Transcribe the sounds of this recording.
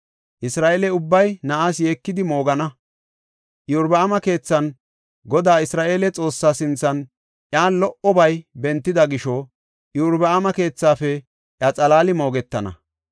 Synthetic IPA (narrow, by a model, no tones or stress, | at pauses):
ʔɪsɾaːʔeːlɛʊbːɐjnɐʔasje̞ːkːɪd̪ɪmo̞ːɡɐnɐ | ʔjʊɾbɐamɐke̞ːt͡sːɐn | ɡɔd̪aːɪsɾaːʔe̞ːlɛt͡sʼo̞ːsːaːsɪnt͡sːɐn | ʔjaːlɔʔɔbɐjbɛnt̪ːɪd̪ɐɡɪʃɔ | jʊɾbɐamɐke̞ːt͡sːaːfɛ | ʔjɐt͡sʼɐlaːlɪmo̞ːɡɛt̪ːɐnɐ̰